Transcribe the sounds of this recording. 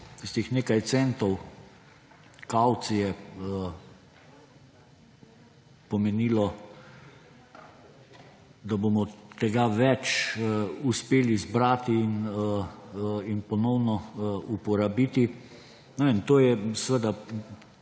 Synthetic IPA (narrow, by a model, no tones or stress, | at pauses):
ist̪eixneːkajt̪sɛnt̪ɔw | kawt̪sijɛ | pɔmɛniːlɔ | d̪abomɔt̪ɛɡaʋɛt͡ʃ | uspeːlizbɾaːt̪iːn | inpɔnɔwnɔupɔɾabit̪i | nɛʋent̪oːjɛsʋəd̪a